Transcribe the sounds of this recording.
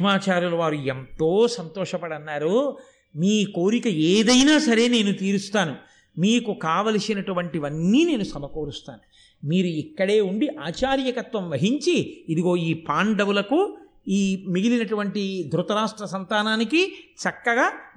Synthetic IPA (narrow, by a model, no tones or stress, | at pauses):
maːt͡ʃaːɾjulɐʋaːɾuent̪o̞ːsɐnt̪ɔːʂɐpɐɽɐnːaːɾu | miːko̞ːɾikɐeːd̪ɐjnaːsɐɾe̞ːne̞ːnut̪iːɾust̪aːnu | miːkukaːʋɐlɐsinɐʈuʋɐɳʈiʋɐnːiːne̞ːnusɐmɐkoːɾust̪a̰ːnu | miːɾuikːɐɽe̞ːuɳɖiʔaːt͡ʃaːɾjɐkɐt̪ʋɐmʋɐɦiɲt͡ʃiːd̪iɡo̞ːiːpaːɳɖɐwulɐku | iːmiɡilinɐʈuʋɐɳʈid̪ɾut̪ɐɾaːʂʈɾɐsɐnt̪aːnaːnikit͡ʃɐkːɐɡaː